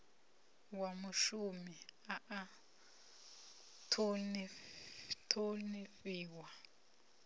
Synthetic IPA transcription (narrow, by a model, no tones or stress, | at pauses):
wamuʃumiaʔa | tʰoni | tʰonifiːwa